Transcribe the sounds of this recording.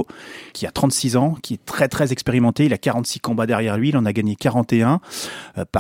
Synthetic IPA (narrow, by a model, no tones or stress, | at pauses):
kʲʰiat̪χɑ̃t̪sizɑ̃kʲʰiɛt̪χɛt̪χɛzɛkspeʁimɑ̃t̪eilakaʁɑ̃t̪si̥kɔ̃bad̪ɛʁjɛʁlɥiːlɑ̃naɡaɲekaʁɑ̃t̪eɛ̃ | pa